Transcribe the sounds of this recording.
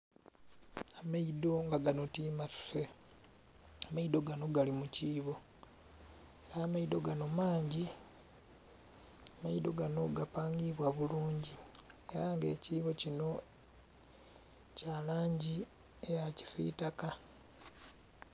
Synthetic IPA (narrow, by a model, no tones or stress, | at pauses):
amaido̞ŋɡaɡano̞tiːmasu̥se | amaido̞ɡano̞ɡalimuciːβo̞ | eɾaːmaido̞ɡano̞maːɲɟi | amaido̞ɡano̞ɡapaːŋɡiβwaβuluːɲɟie̞ɾaŋɡe̞̰ːciːβo̞cino̞ | calaːɲɟi | ejaci̥sḭtaka